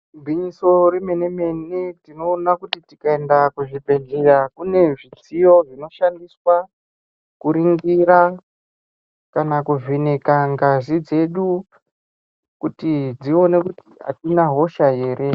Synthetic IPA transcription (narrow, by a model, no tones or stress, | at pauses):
bʱwiɲiso̞ɾime̞neme̞netino̞ːnakutitikae̞ndakuʐibe̞ɮerakune̞ʐit͡sijo̞ʐino̞ʃandiswa | kuɾiŋɡiɾa | kanakuʐene̞kaŋɡazid͡ze̞ɗu | kutid͡zio̞ne̞kutia̰tinaɦo̞ʃaje̞ːɾʔe̞